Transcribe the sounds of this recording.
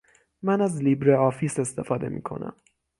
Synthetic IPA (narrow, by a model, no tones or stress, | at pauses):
mænæzliːbɾeɒːfiːse̞st̪efɒːd̪ḛmḭːkʰo̞̰næ̰m